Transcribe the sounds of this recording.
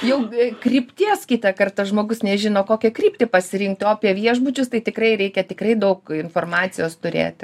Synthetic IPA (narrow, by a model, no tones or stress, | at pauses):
jɛʊkrʲipʲt̪ʲiɛskʲit̪ɐkɐrt̪ɐʒmoːɡʊsnʲɛʒʲɪnoːkoːkʲɛkrʲiːpʲt̪ʲepɐsʲɪɾʲɪŋk̚t̪ʲoːɐpʲiɛʋʲiɛʒbʊt͡ʃʲʊst̪ɐɪt̪ʲɪkrɐɪɾʲɛɪkʲɛt̪ʲɪkrɐɪd̪ɐʊkɪnfoːrmɑːt̪t͡ssʲɪjoːst̪ʊɾʲḛːt̪ʲ